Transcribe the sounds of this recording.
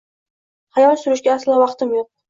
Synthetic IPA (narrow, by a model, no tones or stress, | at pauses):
hajɒlˠsʊɾɪʃɡʲaːslawɑqt̪ɪmjoq̚